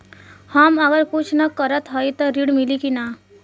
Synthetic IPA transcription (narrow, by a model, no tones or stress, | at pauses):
həməɡəɾkut͡ʃʰnəkəɾət̪ɦɔjt̪ɔɾiɽmilikina